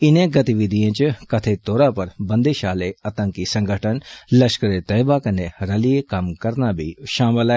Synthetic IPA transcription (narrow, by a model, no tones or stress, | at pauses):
ɪnẽɡɐt̪iʋɪd̪ʱijẽːt͡ʃkɐt̪ʰet̪oːɾapɐɾbɐ̃nd̪eʃaːleɐt̪ə̃ŋkisɐ̃ŋɡʱəʈʰənlɐʃkəɾet̪əjbakɐneɾɐlijekɐmkɐɾnabʱḭʃaːmɪla